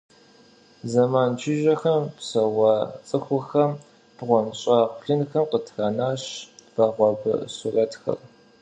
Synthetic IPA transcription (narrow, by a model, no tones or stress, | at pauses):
zɐmaːnt͡ʃʰɪʒɐxɐmpsɐwɑt͡sʼɨxʷʊxɐm | b̥ʁʷɔmɕʼaːqʷʊɬɨnxɐmqətʰraːnaːɕv̥ɐʁʷɔbɨ̰surɐtxɐ̰r